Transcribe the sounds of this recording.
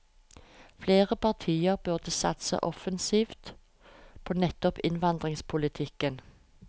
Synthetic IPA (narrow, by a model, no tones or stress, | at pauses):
fleːʁəpʰɑʁt̪ʰiːəʁbʉʁd̪əsɑ̰t̪sə̰ʔɔfənsiːft̪ | pʰoːnɛt̪ːɔpɪnʋɑnd̪ʁɪŋspʰʊlɪt̪ʰɪkən